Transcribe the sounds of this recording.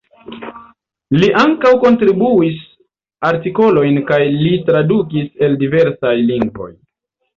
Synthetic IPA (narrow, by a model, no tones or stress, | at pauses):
liʔaŋkawko̞ntɾibuis | aɾtiko̞lo̞jnkajlitɾadukise̞ldive̞ɾsajliŋɡvo̞̰j